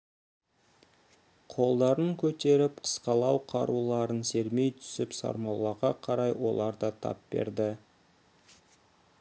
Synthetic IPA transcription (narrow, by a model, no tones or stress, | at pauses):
qʰo̞lˠd̪ɑɾəɴkʲʰɵt̪e̞ɾɪpqʰə̥sqɑlˠɑwqʰɑɾulˠɑɾənse̞ɾme̞jt̪ʰʏ̥sɪpsɑ̰ɾmɑwlˠɑɾʁɑqʰɑɾɑjwo̞̰lˠɑɾd̪ɑt̪ʰɑ̰pbe̞̰ɾd̪ɪ